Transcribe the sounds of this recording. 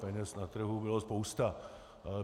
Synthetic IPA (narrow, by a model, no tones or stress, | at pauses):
pɛɲɛsnat̪r̩ɦubɪlospowst̪a